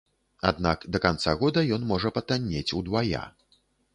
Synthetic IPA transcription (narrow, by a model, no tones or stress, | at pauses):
a̰d̪nakd̪ɐkant̪saɣɔd̪ɐjɔnmɔʐɐpɐt̪anʲːet͡sʲud̪vaja̰